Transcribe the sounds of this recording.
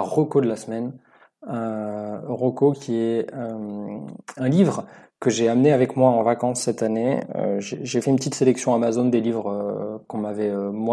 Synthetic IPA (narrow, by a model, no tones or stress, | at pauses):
ʁɔkod̪əlasmɛn | ø | ʁɔkokʲʰiɛøm | ɛ̃livʁkəʒeamneavɛkmwaɑ̃vakɑ̃sːɛt̪aneø̰ʒeʒefɛynpət̪it̪selɛksjɔ̃amazond̪elivʁøkɔ̃mavɛømw